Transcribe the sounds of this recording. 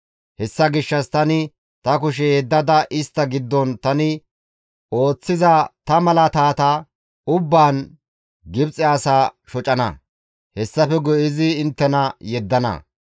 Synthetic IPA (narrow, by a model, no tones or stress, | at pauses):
hɛsːɐɡɪʃːɐst̪ɐnɪ | t̪ɐkʊʃ̬ɛjɛd̪ːɐd̪ɐʔɪst̪ːɐɡɪd̪ːɔnt̪ɐnɪ | o̞ːt͡sːɪzɐt̪ɐmɐlɐt̪aːt̪a | ʊbːaːn | ɡɪbt͡sʼɛɐsaːʃɔt͡ʃʼɐnɐ̰ | hɛsːɐfɛɡɔʔɪzɪːnt̪ːɛnɐjɛd̪ːɐnɐ̰